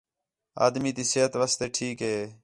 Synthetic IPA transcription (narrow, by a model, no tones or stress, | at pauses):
a̰ːd̪miːt̪iːseɦət̪ʋaːst̪eːʈʰiːkɦeː